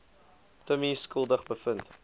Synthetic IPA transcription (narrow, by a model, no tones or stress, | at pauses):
təmiskəlˠdəχbəfənt